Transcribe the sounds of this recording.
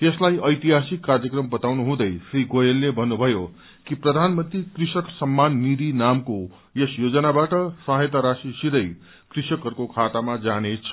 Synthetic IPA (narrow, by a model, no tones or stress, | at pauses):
t̪eslajʌjt̪iɦasikːarjʌkrʌmbʌt̪awnuɦũd̪ʌjsriɡojelːebʱʌnːubʱʌjo | kiprʌd̪ʱanmʌnt̪rikrisʌksʌmːanːid̪inamko | jesjod͡zʌnabaʈʌsʌɦjt̪aɾasisiɾʌj | krisʌkɦʌrkokʰat̪amad͡zanet͡sʰʌ